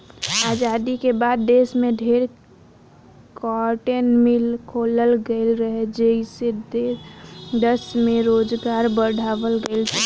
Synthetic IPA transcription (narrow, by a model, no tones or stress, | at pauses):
ad͡ʒad̪ikebad̪ːeːsmẽɖʱeɾ | kɔɾʈenmilkʰoləlɡəlɾəɦed͡ʒəised̪e | d̪əsmẽɾoːd͡ʒɡaɾbəɽʱaːʋəlɡəɪlt͡ʃʰ